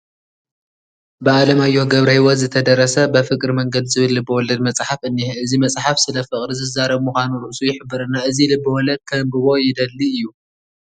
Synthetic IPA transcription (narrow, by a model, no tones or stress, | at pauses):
bɨalɐmajːo̞ɡɐβɾɐjwɔzɨt̪ʰɐd̪ɐɾɐsɐbɐfɨkʼɾɨmɐŋɡɐd̪zɨβɨlːɨbːɨwɔlɐd̪mɐt͡sʼħafʔɨnːiɨzimɐt͡sʼħafsɨlɐfɨχʼɾizɨzaɾɐβmuxʷanuɾɨʔsujɪħɨbːɐɾɐnːaʔɨzilɨbːɨwɔlɐd̪̚kʰɐmbɨβo̞jɪd̪ɐlːiɨjːu